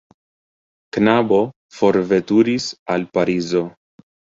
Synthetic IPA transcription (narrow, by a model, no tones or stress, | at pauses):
knabo̞ | fo̞ɾve̞tuɾisalpaɾizo̞